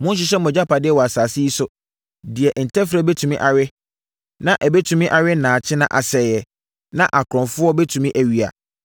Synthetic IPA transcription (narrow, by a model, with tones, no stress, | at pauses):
mʊ̃˦n˦ɕ̬ɪ˦ɕ̬ɛ˦m˨ɔ̃˨d͡ʑa˦pʰa˨dɪ˦ɛ˦wɔ˨a˨saː˨sɪ˦i˦sʊ˨ | dɪ˨ɛ˨ʔn̩˨tʰɛ˦fɾɛ˦bɛ˦tʰũ˨mĩ˦ʔa˨ɥɪ˦ | nã˦ʔæ˨bɛ˦tʰu˨mĩ˦ʔa˨ɥɪ˦n˦˨nãː˨t͡ɕʰɪ˦nã˦ʔa˨sɛ˨jɛ˨ | nã˦ʔa˨kʰɾɔ̃˨ɱfʊ˦ɔ˦bɛ˦tʰũ˨mĩ˦ʔæ˨ɥi˨a̰˨